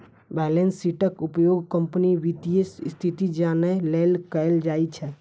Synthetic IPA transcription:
bɛlensːiʈəkupjoɡkəmpəniʋit̪iesst̪ʰit̪id͡ʒanəlelkəjld͡ʒajt͡ʃʰɛ

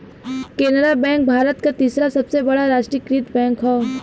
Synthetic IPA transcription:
keːnəɾabɛ̃ːŋk̚bʱaːɾət̪kat̪iːsɾasɐbsebɐɽaɾaːʃʈɾikɾiːt̪bɛ̃ːŋkɦɔː

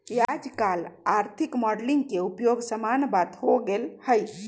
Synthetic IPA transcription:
kiad͡ʒkalaɾt̪ʰikmɔɖlĩŋɡkeupjoɡsəmanbat̪hoɡelhəj

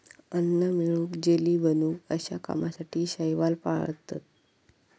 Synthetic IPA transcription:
ənːəmiɭuːkd͡ʑeliːbənuːkəɕa̰ka̰masaʈʰiːɕajʋalpaɭə̰t̪ːa̰t̪̚

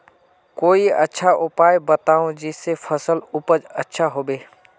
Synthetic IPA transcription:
koːiə̰tːʃʰaʔʊpaːjbət̪aːõd͡ʒɪsːepʰəsəlʊpəd͡ʒətːʃʰaɦoːbeː

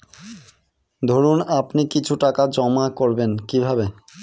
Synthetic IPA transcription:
d̪ʱoɾunapnikit͡ɕʰuʈakad͡ʑɔmakoɾbenkibʱabe

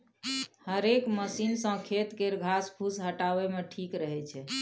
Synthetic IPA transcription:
həɾekməsinsə̃kʰet̪keɾɡʱaspʰusɦəʈaʋemeʈʰikɾəɦɛt͡ʃʰɛ

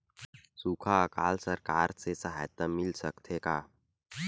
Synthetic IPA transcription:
suːkʰakaːlsəɾkaːɾsesɐɦa̰ːjət̪əmɪlsəkt̪ʰekaː

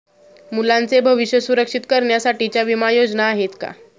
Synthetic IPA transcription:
mulãnt͡sebʱəʋiɕjəsuɾəkʂit̪kəɾɳjasaʈit͡ɕjaʋimajod͡ʑnaːɦet̪ka̰

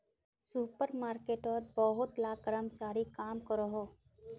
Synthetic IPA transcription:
suːpəɾmaːɾkeːʈɔɾbɔɦʊt̪laːɡəɾəmt͡ʃaːɾikaːmkɔɾoɦoː

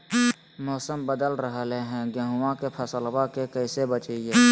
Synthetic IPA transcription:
mɔːsəmbəd̪əlɾəɦleɦɛ̃ɡeɦʊwãkepʰɐsəlwakekəːsebət͡ʃeieː

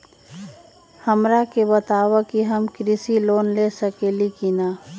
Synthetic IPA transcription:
həmɾakebət̪aːwakiɦəmkɾɪsiloːnlesəkelikinaː

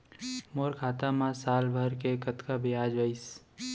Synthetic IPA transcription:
moːɾkʰaːt̪amãsaːlbʱɐɾkekɐt̪kabɪjaːd͡ʒʋəɪs

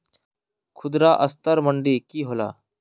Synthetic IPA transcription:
kʰʊd̪ɾaʔəst̪əɾməɳɖiːkiːɦoːla̰ː

